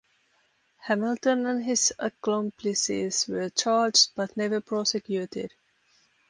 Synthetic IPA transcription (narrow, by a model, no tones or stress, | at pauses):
hæmɪltə̃næ̃nɦɪzəkɔ̃mpʰlɪsḭzʋət͡ʃaːɾd͡ʒdb̥ʌtnɛʋəpʰɹɔsɪkjuːtɪ̰d